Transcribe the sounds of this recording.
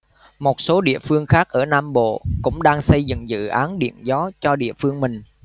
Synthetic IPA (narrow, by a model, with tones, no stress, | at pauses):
mo˨˩t̚so˨˦ɗḭ˧˨əfɨ˧əŋxaː˦˥k̚ʔəː˧˩naː˧mɓo̰˧˨kʊ̰˧˥ŋ͡mɗaː˧ŋsə˧jzɨ̰˧˨ŋzɨ̰˧˨ʔaː˨˦nɗḭ˧˨ənzɔ˨˦t͡ɕɔ˧ɗḭ˧˨əfɨ˧əŋmï˨˩ŋ̟